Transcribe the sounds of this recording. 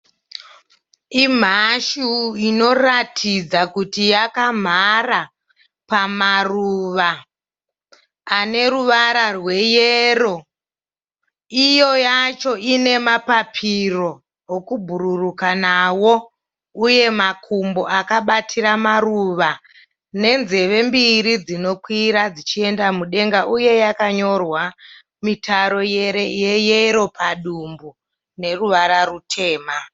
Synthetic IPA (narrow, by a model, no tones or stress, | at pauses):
im̤aʃuino̞ratʰid͡zakutijakam̤ara | pamaruʋa | ne̞ruʋaɾarwe̞jeɾo̞ | ijo̞jat͡ʃo̞ine̞mapapʰiro̞ | ɦokubʱuɾurukanawo̞ | uje̞makʰumboʔakaɓatʰiramaruʋa | ne̞nze̞ʋe̞mbiɾid͡zino̞kwiɾad͡zit͡ʃie̞ndamuɗe̞ŋɡaʔuje̞jakaɲo̞rwa | mitaɾo̞je̞ɾe̞jejeɾo̞pʰaɗumbu | ne̞ruʋaɾarutʰe̞ːma